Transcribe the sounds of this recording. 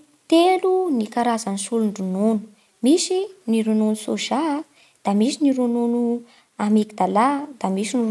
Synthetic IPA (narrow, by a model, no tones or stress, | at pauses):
t̪elunikaɾazanisuluɳɖ͡ʐunonu̥ | misiniɾunonusoʒa | d̪̥amisiniɾununu | amekid̪alad̪̥amisini